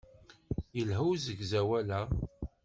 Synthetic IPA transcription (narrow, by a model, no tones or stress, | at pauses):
jəlɦuwzəɡzæwælæ